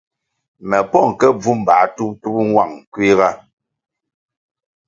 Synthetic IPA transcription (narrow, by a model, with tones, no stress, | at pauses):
mɛ˨pɔ˦˨ŋ˨kɛ˦b͡vu˦m̩˨ba˨˦tu˦p̚tu˦p̚ŋwa˨ŋkwi˦ɣa˦